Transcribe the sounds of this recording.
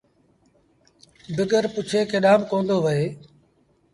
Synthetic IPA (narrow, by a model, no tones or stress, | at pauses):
bɪɡəɾpʊt͡ʃʰeːkeɗaːmkõːnd̪oːʋəeː